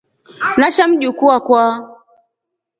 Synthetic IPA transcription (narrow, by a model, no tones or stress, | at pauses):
naʃam̩ʄukuakwa